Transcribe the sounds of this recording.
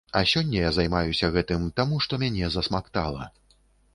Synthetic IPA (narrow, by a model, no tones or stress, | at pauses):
ɐsʲɔnʲːɐjazajmajusʲɐɣɛt̪ɨmt̪amuʂt̪ɔmʲanʲɛzɐsmakt̪a̰lˠɐ̰